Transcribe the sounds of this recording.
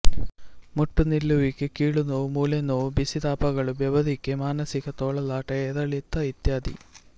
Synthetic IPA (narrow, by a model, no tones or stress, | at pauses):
muʈːunilːuʋikːekiːɭunoːmuːlenobisid̪aːpɐɣɐɭuʋjeʋɐd̪ʱikːemaːnɐsikɐt̪oːɭɐlaːʈɐeðɐɭit̪ːɐit̪jaːd̪ḭ